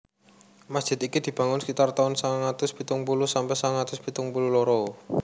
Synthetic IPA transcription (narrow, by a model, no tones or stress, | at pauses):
masd̥ʒ̥ɪ̤t̪ikid̪̥i̤b̥ä̤ŋʊnsə̥kit̪art̪aʊnsaŋat̪ʊspit̪ʊŋpulusampɛsaŋat̪ʊspit̪ʊŋpululoɾɔ